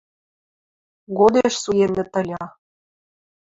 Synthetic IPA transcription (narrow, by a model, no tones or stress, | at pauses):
ɣod̪eʃsujenːĕt̪ə̆lʲɑ